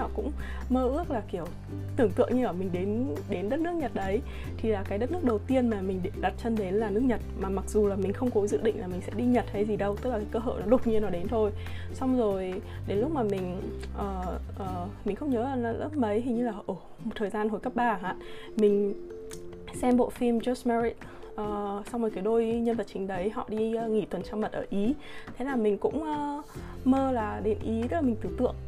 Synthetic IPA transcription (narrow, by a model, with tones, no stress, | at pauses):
a̰ː˧˨wkʊ̰˧˥ŋ͡m | məː˧ʔɨ˦˥ək̚laː˨˩ki˧˩əw | t̪ɨ˧˩əŋt̪ɨ̰˧˨əŋɲɨ˧ʔəː˧˩mï˨˩ŋ̟ɗe˨˦nɗe˨˦nɗə˦˥t̚nɨ˦˥ək̚ɲə˨˩t̚ɗə˨˦j | t̪ʰi˨˩laː˨˩kaː˨˦jɗə˦˥t̚nɨ˦˥ək̚ɗə˨˩wt̪i˧ənmaː˨˩mï˨˩ŋ̟ɗɗa˨˩t̚t͡ɕə˧nɗe˨˦nlaː˨˩nɨ˦˥ək̚ɲə˨˩t̚maː˨˩ma˨˩k̚zu˨˩laː˨˩mï˨˩ŋ̟xə˧wŋ͡mkɔ˨˦zɨ̰˧˨ɗḭ̈˧˨ŋ̟laː˨˩mï˨˩ŋ̟sɛ̰˧˥ɗi˧ɲə˨˩t̚hə˧jzi˨˩ɗə˧wt̪ɨ˦˥k̚la˨˩aː˨˦kəː˧ɦə̰ː˧˨pnɔ˨˦ɗo˨˩t̚ɲi˧nɔ˨˦ɗe˨˦nt̪ʰo˧j | sa˧wŋ͡mzo˨˩j | ɗe˨˦nlʊ˦˥k͡p̚maː˨˩mï˨˩ŋ̟ʔəː˨˩ʔəː˨˩mï˨˩ŋ̟xə˧wŋ͡mɲəː˨˦laː˨˩n˨˦lə˦˥p̚mə˨˦jhi˨˩ɲɨ˧laː˨˩ʔo˧˩ | m˨˩t̚t̪ʰəː˨˩zaː˧nɦo˨˩jkə˦˥p̚ɓaː˨˩ɦa̰ː˧˨ | mï˨˩ŋ̟ | sɛ˧mɓo̰˧˨fi˧mzɔ˦˥smɛ˧ɹi˦t̚ | ʔəː˨˩sa˧wŋ͡mmo˨˩ka˨˦jɗo˧jɲə˧nvə˨˩t̚t͡ɕï˨˦ŋ̟ɗə˨˦jɦɔ̰˧˨ɗi˧ŋi˧˩t̪wə˨˩nt͡ɕaː˧wmə˨˩t̚ʔəː˧˩ʔi˨˦ | t̪ʰe˨˦laː˨˩mï˨˩ŋ̟kʊ̰˧˥ŋ͡mʔəː˧məː˧laː˨˩ɗe˨˦nʔi˨˦ɨ˦˥aː˨˩mï˨˩ŋ̟t̪ɨ˧˩t̪ɨ̰˧˨əŋ